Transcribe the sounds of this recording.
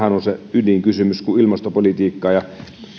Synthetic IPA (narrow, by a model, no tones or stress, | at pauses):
hænonseydiŋkysymyskuilmɑst̪opolit̪iːkːɑːjɑ